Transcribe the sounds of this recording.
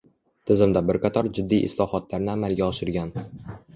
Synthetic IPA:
t̪ʰɪzɪmd̪abɪɾqʰɑt̪ʰɒɾd͡ʒɪd̪ːijʔɪ̰slɒhɒt̪ʰlaɾnɪamalɡʲaɒʃɪɾɡʲan

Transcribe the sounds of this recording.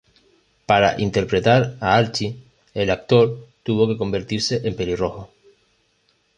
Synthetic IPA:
paɾa̰ʔḭnt̪e̞ɾpɾe̞t̪aɾaalt͡ʃi | elak̚t̪o̞ɾt̪uβo̞ke̞ko̞mbe̞ɾt̪iɾse̞ʔempeɾiro̞xo

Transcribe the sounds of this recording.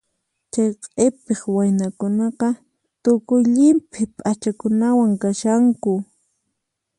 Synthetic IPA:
t͡ʃajqʼepeχwajnakʊnɑqɑ | t̪ʊkʊjʎɪmpʰɪpʼat͡ʃakʊnawaŋkaʃaŋkʊ

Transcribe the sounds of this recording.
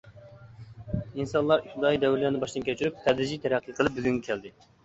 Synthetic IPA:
insɑnlˠɑɾyt̪ɪd̪ɑjid̪ɛwɾɪlæɾnɪbɑʃd̪ɨnkʲʰøt͡ʃʰyɾyp̚t̪ʰɛd̪ɾɪd͡ʒit̪ʰɛɾɛqʰːiqʰəlˠɨp̚byzyŋʲɛkʲʰɛld̪ɪ

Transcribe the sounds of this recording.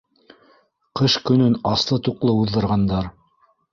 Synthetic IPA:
qɤʃkɵ̆nɵnɑslˠɤt̪uqlˠɤuðːɤ̆ɾʁɑnd̪ɑɾ

